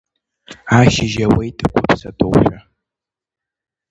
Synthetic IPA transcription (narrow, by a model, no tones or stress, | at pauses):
aːʃɪʒɐwejtʼɨkʷʰʊpsɐtʼowħʷᶣɐ